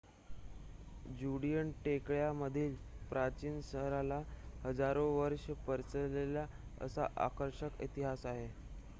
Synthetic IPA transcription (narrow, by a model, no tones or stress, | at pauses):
d͡ʑuɽijəɳʈekɭjaməd̪ʱiːlpɾat͡ɕiːnsəɦɾalahəd͡zaɾoʋəɾʂəpəɾt͡səlelja | ə̰sa̰ʔa̰kəɾʂəkḭt̪iɦasaɦe